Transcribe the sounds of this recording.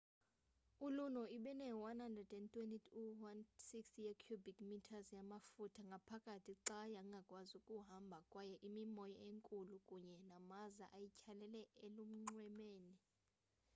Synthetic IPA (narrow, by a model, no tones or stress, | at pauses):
ulunɔiɓɛnɛwanhandrɛdɛntʰʼwenitʰuwansiksjekʰjubikmitʰazjamafutʰaŋɡʱapʰakʼatʰiǀajaŋɡʱakʼwazukʼuɦambʱakʼwajɛʔimimɔjɔeŋkʼulukʼuɲɛnamazaʔajicʰalɛlɛelum̩ŋ͡ǀwɛmeːni